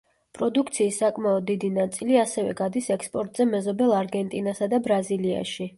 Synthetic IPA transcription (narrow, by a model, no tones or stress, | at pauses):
pʼɾɔd̪uk̚ʰt̪sʰiːsːakʼmaɔd̪ːid̪inat̪sʼiliasɛvɛ̰ɡad̪isɛkspʼɔɾt̪ʼz̥ɛmɛzɔbɛlˠaɾɡɛnt̪ʼinasad̪abɾazilia̰ʃi